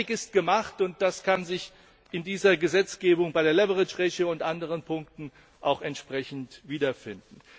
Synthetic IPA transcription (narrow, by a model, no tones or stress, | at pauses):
ɪkɪst̚ɡ̥əmaχtʊnt̚d̥askʰanzɪç | ʔɪndiːzɐɡəzɛt͡sɡ̥eːbʊŋbaɪɾeːɐlɛvəʁɪt͡ʃʁɛçəʊntʔandəʁənpʰʊŋk̚tn̩ | ʔaʊxɛntʃpʁ̥ɛçn̩tviːdɐfɪndn̩